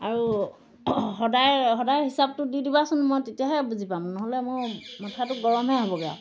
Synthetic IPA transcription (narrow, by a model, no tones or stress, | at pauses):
aɹu | ɦɔdajɦɔdajɦisab̚tʊdidibasʊnmojtetijaɦɛbuzipamnɔɦɔlɛmʊɹmɔtʰatʊɡɔɹɔmɦɛɦobɔɡɛa̰